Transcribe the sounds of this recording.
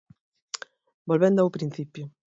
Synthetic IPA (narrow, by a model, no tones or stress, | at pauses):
bolβend̪oawpɾĩn̟θipjʊ